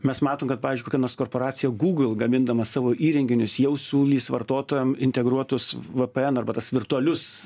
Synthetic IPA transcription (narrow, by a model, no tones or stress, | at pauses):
mʲɛsmɑːt̪oːmkɐt̪̚pɑːʋʲɪzʲd͡ʒʲɪkokʲɛnoːskoːrpoːɾɑːt͡s̪ʲɪjɛɡuːɡl̩ˠɡɐmʲɪnd̪ɐmɐsɑːʋoːʔiːɾʲɛŋʲɡʲɪnʲʊsjɛʊsʲuːlʲiːsʋɐrt̪oːt̪oːjɛmɪnʲt̪ʲɛɡɾuɔt̪ʊsʋəpɛɛnɐrbɐt̪ɐsʋʲɪrt̪ʊɐlʲʊs